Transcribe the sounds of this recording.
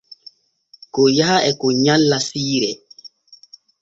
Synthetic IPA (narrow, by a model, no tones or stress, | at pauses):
kɔjahaʔɛkɔɲalːasiːɾɛ